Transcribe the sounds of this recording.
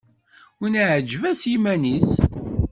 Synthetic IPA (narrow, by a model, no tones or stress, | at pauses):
uniʕd͡ʒːəvæsjimænis